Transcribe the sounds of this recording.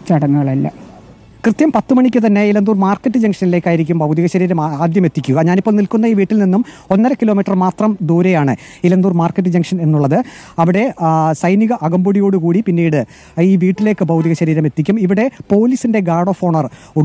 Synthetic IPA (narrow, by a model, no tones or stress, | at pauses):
t͡ɕɐɽɐnːɨɣɐɭɐlːɐ̰ | krɨt̪jɐmpɐt̪ːɨmɐɳikʲːɨt̪ɐnːe̞ilɐnd̪uːrmaːrkːɐʈːɨd͡ʑɐŋkʂɐnile̞ːkːaːjiɾik̬ʲːumbɐwd̪iɣɐɕɐɾiːɾɐmaːd̪jɐme̞t̪ːikʲːuɣɐɲaːnipːoːlnilkun̪ːɐiːʋiːʈːilninːumo̞nːɐɾɐkːilo̞ːmiːʈːrɐrmaːt̪rɐmd̪uːɾejaːɳɨilɐnd̪uːrmaːrkːɐʈ̬ːɨd͡ʑɐŋʂɐne̞nːuɭːɐðɨɐʋiɽe̞sɐjniɣɐʔɐɡɐmboɽijo̞ːɽukuːɽipinːiːɽɨ | iːʋiːʈːile̞ːkːɨbɐwd̪iɣɐɕɐɾiːɾɐme̞t̪ːikʲːumiʋiɽe̞po̞ːliːsinde̞ɡaːɽo̞ːfoːɳɐr | u